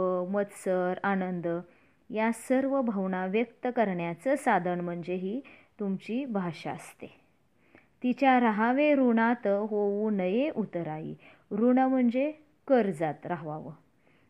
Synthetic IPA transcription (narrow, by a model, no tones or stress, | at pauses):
əmət̪səɾanənd̪ | jasəɾʋəbʱəʋɳaʋjəkt̪əkəɾɳjat͡səsad̪ʱənm̤əɳd͡zeɦiːt̪umt͡ɕiːbʱaʂa̰ə̰st̪e | t̪it͡ɕjaɾaɦaʋeɾuɳat̪ɦoʋunəjeʔut̪əɾaḭ | ɾuɳam̤əɳd͡ze | kəɾd͡zat̪ɾaɦʋaʋə